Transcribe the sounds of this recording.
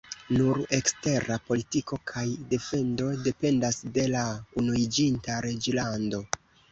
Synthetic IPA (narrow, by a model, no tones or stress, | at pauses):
nuɾe̞kste̞ɾapo̞litiko̞kʰajde̞fe̞ndo̞de̞pe̞ndasde̞launuid͡ʒintaɾe̞d͡ʒlando̞